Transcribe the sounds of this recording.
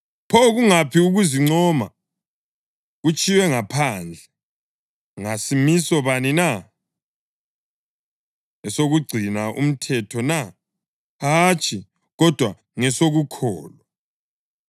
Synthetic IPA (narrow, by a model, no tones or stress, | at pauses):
pʰɔɣuŋapʰiuɣuziŋ͡ǀɔma̰ | ɣut͡ʃʼiwɛŋapʰand͡ɮʱɛ | ŋasimisɔβanina | ɛsoɣuɡ͡ǀʱinaʔṵm̩tʰɛtʰɔna | ɦat͡ʃʼʰi | ɣɔd̥ʱwa | ŋɛsoɣukʰɔːlɔ